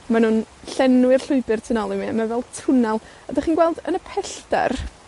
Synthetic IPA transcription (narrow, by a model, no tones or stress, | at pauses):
manuːnɬɛnwɪrɬʊɨbɨrtʰɪnɔlˠɪmiəmavɛlˠtʰʊnalˠ | ədaχiːnɡwɛlˠdənəpʰɛɬda̰r